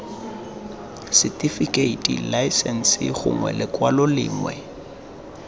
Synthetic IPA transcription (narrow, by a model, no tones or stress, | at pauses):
sɪtʼifikʼeitʼḭlaɪsɛn̩sɪχʊ̰ŋwɛ̰lɪkʼwalɔlɪ̰ːŋwɛ̰